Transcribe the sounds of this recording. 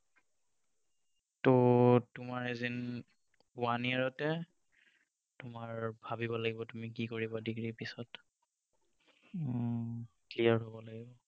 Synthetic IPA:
tɔtʊmaɹezin | waniaɹɔtɛ | tʊmaɹbʱabibɔlaɡibɔtumikikoɹibadiɡɹipisɔt | klijaɹɦobɔlaɡibɔ

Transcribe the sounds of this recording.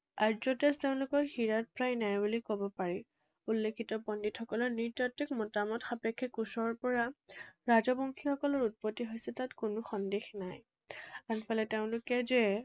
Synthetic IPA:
aɹzɔtɛsteʊ̃nlʊkɔɹxiɹat̚pɹajnajbulikobɔpaɹi | ulːekʰitɔpɔnditxɔkɔlɔɹniɹtɔtːikmɔtamɔtxapɛkʰːɛkusɔɹpɔɹaɹazɔbɔŋkʰixɔkɔlɔɹut̚pɔtːiɦojsɛtatkʊnʊxɔndexnaj | anpʰalɛteʊ̃nlʊkɛzɛ

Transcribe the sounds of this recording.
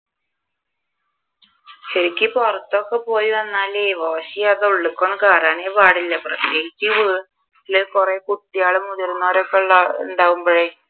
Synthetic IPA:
ɕeɾikʲːɨporɐt̪ːo̞ːkːepo̞ːjiʋɐnːaːleːʋoːɕijaðeuɭːukːoːɳːkaːraːneːpaːɽilːɐprɐt̪jeːɦit͡ɕːɨʋɨ | lɨkureːkut̪ːijaːɭɨmuðɐɾunːaːɾokːeɭːaṵɳɖaːʋumboːɭe

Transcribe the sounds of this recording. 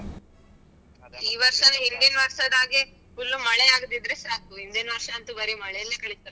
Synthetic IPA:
iːʋɐɾʂɐnuɦind̪inɐʋɐɾʂɐd̪aːɡe | fulːumɐɭɛaːɡd̪id̪ɾesaːkuɦind̪inʋɐɾʂɐːnt̪ubɐɾimɐɭɛjɐlːekɐɭit̪ɐɾe

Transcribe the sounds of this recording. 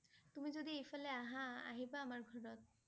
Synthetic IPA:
t̪umid͡ʑod̪iejfɔleaɦãa̰ɦibaamaɾɡʱɔɾɔt̪̚

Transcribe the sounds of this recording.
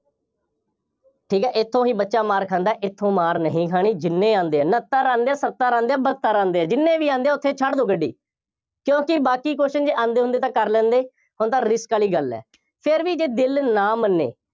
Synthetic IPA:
ʈʰiːkɛːʔɪt̪ʰːõːɦĩːbətːʃaːmaːɾkʰãːnd̪aɛːʔɪt̪ʰːõːmaːɾnəɦĩːkʰaːɳiːd͡ʒɪnːẽːãːnd̪eːɛːnət̪ːaːɾãːnd̪eɛːsət̪ːaːɾãːnd̪eːɛːbət̪ːaːɾãːnd̪eːɛːd͡ʒɪnːẽːʋiːãːnd̪eːɛːʊt̪ʰːeːt͡ʃʰəʈd̪õːɡəɖːḭː | kjõːkɪbaːkiːkoːʃd͡ʒeːãːnd̪eːɦʊ̃nd̪eːt̪ãːkəɾlɛ̃ːnd̪eː | ɦʊnt̪ãːɾɪskaːliːɡəlɛ̰ː | pʰɪɾʋiːd͡ʒeːd̪ɪlnaːmənːḛː

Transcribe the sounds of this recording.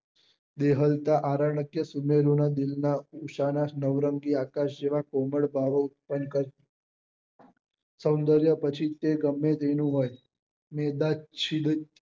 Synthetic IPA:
d̪eɦəlt̪aʔaɾaɳəkjəsumeɾonad̪ɪlnauʃananəʋɾəŋɡiakaʃd͡ʒeʋakoməɽbʱaʋoʊt̪̚pənkəɾt̪i | sə̃wnd̪əɾjəpət͡ʃʰit̪eɡəmːet̪enũɦoj | med̪at͡ʃʰid̪ə

